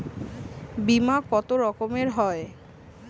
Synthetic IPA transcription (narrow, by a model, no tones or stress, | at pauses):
bimakɔt̪oɾɔkomeɾɦɔe